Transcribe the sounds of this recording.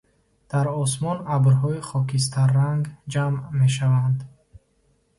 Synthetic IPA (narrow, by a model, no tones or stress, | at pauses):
d̪̥aɾɔs̬mɔnabɾɦɔiχɔkis̬t̪ʰaɾːaŋɡd͡ʒamːe̞ʃ̬avand̪